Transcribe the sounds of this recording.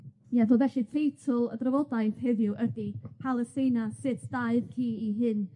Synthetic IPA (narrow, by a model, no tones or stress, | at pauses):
jɛðəlvɛɬifejtʰʊlˠədrəvɔdaɨθhɪðjʊʔədipʰalˠəsejnasɪtʰd̥aɨðkʰiːiɦɨn